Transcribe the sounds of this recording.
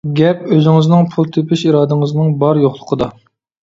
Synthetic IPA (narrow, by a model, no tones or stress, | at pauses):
ɡʲɛpøzɪŋɪznɪŋpʰulˠt̪ʰepʰɪʃiɾɑːd̪ɨŋɨznɨŋbɑɾjoχlˠə̥qʰəd̪ɑ